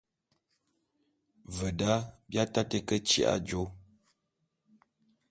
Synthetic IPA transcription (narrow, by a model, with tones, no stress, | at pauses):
və˨da˦bja˦ta˦tə˦kə˦t͡ʃḭ˨ʔa̰˦d͡ʒo˦